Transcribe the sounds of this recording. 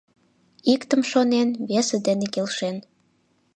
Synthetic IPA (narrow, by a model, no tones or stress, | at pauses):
ikt̪əmʃonenβesed̪enekelʃen